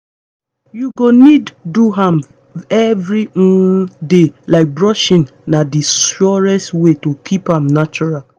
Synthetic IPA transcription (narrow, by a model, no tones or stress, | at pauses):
juɡonidːuɦãm | ɛvɹĩdelaɪk̚bɹɔʃĩn | nadisɔɹɛstwetokʰipãmnat͡ʃuɹal